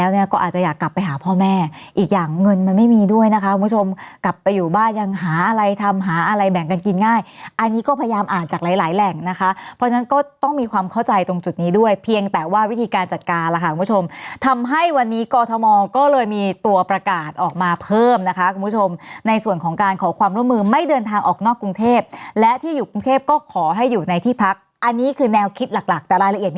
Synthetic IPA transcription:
lɛː˦˥wni˥˩ɐkɔː˥˩ʔaː˨˩t̚t͡ɕa˨˩jaː˨˩kːla˨˩pːa˧jɦaː˩˦pʰɔː˥˩mɛː˥˩ | ʔiː˨˩k̚jaː˨˩ŋːɤ˧nma˧nma˥˩jmiː˧du˥˩əjna˦˥kʰa˦˥u˧mpʰu˥t͡ɕʰo˧mkla˨˩pːa˧jːuː˨˩baː˥˩nja˧ŋɦaː˩˦ʔa˧ɾa˧jt̪ʰa˧mɦaː˩˦ʔa˧ɾa˧jbɛ˨˩ŋka˧nki˧nŋaː˥˩jʔa˧nːiː˦˥kɔː˥˩pʰa˧ja˧jaː˧mʔaː˨˩nt͡ɕaː˨˩k̚laː˨˩˦laː˩˦jlɛ˨˩ŋna˦˥kʰa˦˥ʔpʰɔ˦˥t͡ɕʰna˦˥nkɔː˥˩t̪ɔ˥˩ŋmiː˧kʰwaː˧mkʰa˥˩wt͡ɕa˧jt̪o˧ŋt͡ɕu˨˩t̪̚niː˦˥du˥˩əjpʰi˧əŋt̪ɛː˨˩waː˥˩wi˦˥t̪ʰiː˧kaː˧nt͡ɕa˨˩t̪̚kaː˧nla˨˩kʰa˧˥kʰu˧mpʰu˥t͡ɕʰo˧mt̪ʰa˧mɦa˥˩jwa˧nːiː˦˥kɔː˧t̪ʰɔ˧mɔː˧kɔː˥˩lɤː˧jmiː˧t̪u˧ɐpɾa˧kaː˨˩t̪̚ʔɔː˨˩k̚maː˧pʰɤː˥˩mna˦˥kʰa˦˥kʰu˧mpʰu˦˥t͡ɕʰo˧mna˧jsu˨˩ənkʰɔː˩˦ŋkaː˧nkʰɔː˩˦kʰwaː˧mɾu˥˩ə˩mɯː˧ma˥˩jdɤː˧nt̪ʰaː˧ŋʔɔ̰ː˨˩k̚nɔː˥˩kːɾu˧ŋt̪ʰeː˥˩p̚lɛ˦˥t̪ʰiː˥˩juː˨˩ku˧ŋt̪ʰeː˥˩p̚kɔː˥˩kʰɔː˩˦ɦa˥˩jːuː˨˩na˧jt̪ʰiː˥˩pʰa˦˥k̚ | ʔa˧nːiː˦˥kʰɯː˧nɛː˧wkʰi˦˥t̪̚la˨˩k̚la˨˩k̚t̪ɛː˨˩ɾaː˧jla˧ʔi˨˩t̪̚

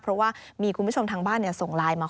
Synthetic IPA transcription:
pʰɾɔ˦˥waː˥˩miː˧kʰu˧bu˦˥˩o˧mt̪ʰaː˧ŋbaː˥˩nːi˥˩ɐso˨˩ŋlaː˧jmaː˧

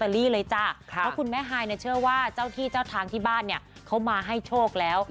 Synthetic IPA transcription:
t̪a˧liː˥˩lɤː˧jt͡ɕa˧˩kʰɔ˦˥kʰu˧nmɛː˦˥˨ɦaː˧jni˥˩t͡ɕʰɯ˥˩ɐwaː˥˩t͡ɕaː˥˩wt̪ʰiː˥˩t͡ɕaː˥˩wt̪ʰaː˧ŋt̪ʰiː˥˩baː˥˩nːi˥˩ɐkʰa˦˥wmaː˧ɦa˥˩jt͡ɕʰoː˥˩k̚lɛː˦˥w

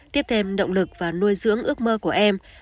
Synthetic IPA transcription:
t̪i˦˥əp̚t̪ʰe˧mɗə̰˧˨wŋ͡mlɨ˨˩k̚vaː˨˩nu˧jzɨ̰˧˥əŋʔɨ˦˥ək̚məː˧ku˧˩əʔɛ˧m

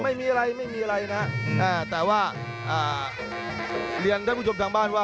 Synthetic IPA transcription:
ma˥˩jmiː˧ʔa˧ɾa˧jma˥˩jmiː˧ʔa˧a˧jna˦˥ʔʔaː˧˩t̪ɛː˨˩waː˥˩ | ʔaː˨˩ | li˧ənaː˥˩puː˥˩t͡ɕo˧p̚t̪aː˧ŋbaː˥˩nwaː˥˩

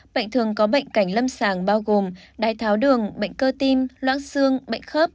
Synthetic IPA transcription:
ɓə̰˧˨jŋ̟t̪ʰɨ˨˩əŋkɔ˨˦ɓə̰˧˨jŋ̟ka˧˩jŋ̟lə˧msaː˧˩ŋɓaː˧wɣo˨˩mɗaː˨˩jt̪ʰaː˨˦wɗɨ˨˩əŋɓə̰˧˨jŋ̟kəː˧t̪i˧mlwa̰ː˧˥nsɨ˧əŋɓə̰˧˨jŋ̟xə˦˥p̚

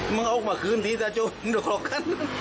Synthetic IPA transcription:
mɨ˧˦ŋʔo˧˦wk̚maː˨˩kɨ˨˧˦nt̪ʰi˧˥zaː˧˩t͡ɕo˧˩˧nɗək̚hɔ˨˧˩kʰa˧˥n

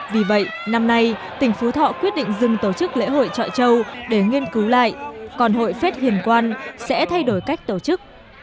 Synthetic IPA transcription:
vi˨˩və̰˧˨jna˧mna˧jt̪ï˨˩ŋ̟fu˨˦t̪ʰɔ̰˧˨kwət̚ɗḭ˧˨ŋ̟zɨ˨˩ŋt̪o˧˩t͡ɕɨ˦˥k̚lḛ˧˥ɦo̰˧˨jt͡ɕɔ̰˧˨t͡ɕə˧wɗe˧˩ŋi˧ənkɨ˨˦wla̰ː˧˨jkɔ˨˩nɦo̰˧˨jfe˦˥t̚hḭ˧˨˩ənkwaː˧nsɛ̰˧˥t̪ʰa˧jɗo˧˩jka˦˥jk̟̚t̪o˧˩t͡ɕɨ˦˥k̚

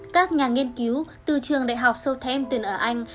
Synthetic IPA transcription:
kaː˦˥k̚ɲaː˨˩ŋi˧ənki˨˦wt̪ɨ˨˩t͡ɕɨ˨˩əŋɗa̰ː˧˨jɦa˨˩wk͡p̚sə˧wt̪ʰɛ˧mt̪i˨˩nʔəː˧˩ʔa˧jŋ̟

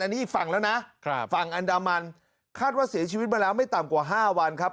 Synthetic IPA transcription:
nːiː˦˥ʔi˨˩kfa˨˩ŋlɛː˦˥wna˦˥ʔkʰfa˨˩ŋʔa˧ndaː˧ma˧n | kʰaː˥˩t̪̚waː˥˩si˩˦t͡ɕʰiː˧wi˦˥t̪̚maː˧lɛː˦˥wma˥˩jt̪a˨˩mkwaː˨˩ɦaː˥˩wa˧nkʰa˦˥p̚

